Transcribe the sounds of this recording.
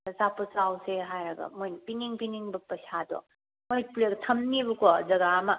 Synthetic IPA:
ɐsapɔsawseɦajɾɐɡɐ̰mojnpiniŋpiniŋbɐpɐsadɔ̰ | mojplektʰɐmnibukɔzɐɡamɐ

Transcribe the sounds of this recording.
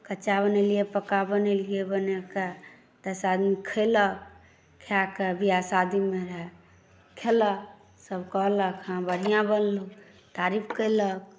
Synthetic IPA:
kəːt͡ʃaβənɛlijepəkabənelijebəneke | t̪əsad̪mekʰələk̚ | kʰakebʱiasad̪imeɾəɦɛ | kʰelək | səbʱkəɦləkhãbəɽ̤ijãbənluk | t̪aɾipʰkəjlək̚

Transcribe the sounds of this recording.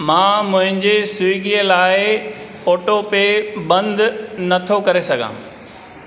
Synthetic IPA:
mãːmʊ̃ɦɪ̃ɲd͡ʑesʊɠiəlaːɪ | oːʈopebɐ̃nd̪nɐt̪ʰokɐɾesɐɡʱã̰ː

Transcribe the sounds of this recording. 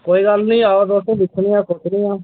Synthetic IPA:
koːiːɡəlnĩːaːoɾd̪osẽːd̪ɪkʰnĩːaːkʊt͡ʃnĩːaː

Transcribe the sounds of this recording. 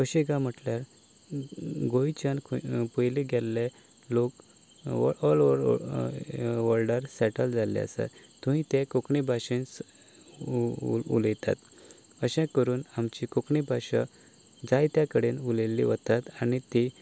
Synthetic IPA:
ʋəɕiɡãm̤əʈljaɾ | ɡoit͡ɕankpujliɡʱɛlːe | lok | ɔlʋəɾ | ʋəlɖəɾsɛʈəld͡zalḛə̰sa̰t̪ũĩt̪ekokɳibʱaɕen | ṵləjt̪a̰t̪ | əɕɛ̃kəɾuːnamt͡ɕikokɳibʱaɕa | d͡zajt̪jakəɽenulelːḭʋət̪at̪anit̪i

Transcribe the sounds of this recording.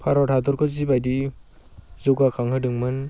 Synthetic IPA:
pʰaɾɔtʰadɔɾkʰɔzibajdi | zɔɡakʰaŋɦɯdɯŋmɯn

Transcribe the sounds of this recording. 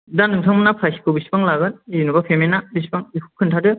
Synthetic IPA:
danɯŋsʰaŋmɯnapʰajsikʰɯbisi̥paŋlaɡɯniunubapʰemenabisi̥baŋipʰukʰːɯntʰadɯ

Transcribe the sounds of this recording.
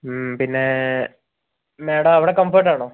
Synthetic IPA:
pinːe | meːɽɐmɐʋiɽekɐmfoːʈːaːɳoː

